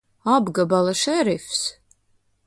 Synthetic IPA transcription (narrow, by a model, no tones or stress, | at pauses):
abɡɐbalɐʂɛɾɪfs